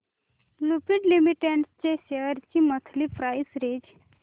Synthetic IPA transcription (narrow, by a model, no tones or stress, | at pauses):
lupiɖlimiʈeɳʈst͡ʃeʃeəɾt͡ʃimət̪ʰlipɾaːjsɾeːd͡ʒ